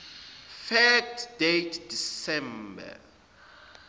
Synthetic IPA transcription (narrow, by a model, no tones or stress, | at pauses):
fɛtdetʰd̥isɛ̃mba̰